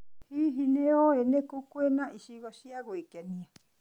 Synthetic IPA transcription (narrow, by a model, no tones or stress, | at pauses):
hiɦinẽoenẽkukuenãʔiʃiɣoʃiaɣoikanĩã